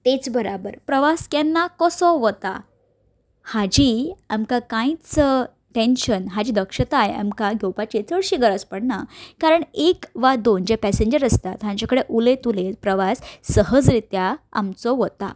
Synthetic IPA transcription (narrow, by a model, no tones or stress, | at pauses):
t̪et͡sbəɾabəɾpɾəʋaskɛnːakɔsɔʋət̪a̰ | had͡ʑiamkakãĩt͡sə | ʈẽnɕənɦad͡ʑiːd̪əkʂət̪aja̰mkaɡʱɛwpat͡ɕet͡səɽɕiɡəɾət͡spəɽnakaɾəɳekʋad̪ond͡ʑepɛsẽɲd͡ʑəɾəst̪at̪ɦãɲt͡ɕakəɽeʔulet̪ulepɾəʋasːəɦəd͡zɾit̪jaa̰mt͡sɔʋət̪a̰